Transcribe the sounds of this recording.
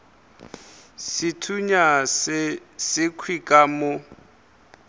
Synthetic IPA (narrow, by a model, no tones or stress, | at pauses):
sɪtʰuɲassɪkʰwikʼamʊ